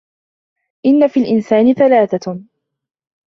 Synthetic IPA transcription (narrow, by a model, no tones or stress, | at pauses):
ʔɪnːafiːlʔɪnsaːnɪθalaːθa